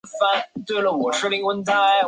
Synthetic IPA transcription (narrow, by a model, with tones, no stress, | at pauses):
fa˥nt̪we˥˩ɪlə˨˩wɔ˨˩ʂ̩˥˧li˧˥ŋwə˥nt̪ʰa˥˩ɪ